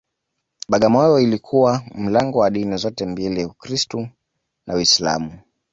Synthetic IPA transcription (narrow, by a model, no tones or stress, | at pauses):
ɓaɠamɔjɔilikʰuwam̩laŋɡɔwaɗinizɔtɛmbiliaukɾistu | nawisla̰mu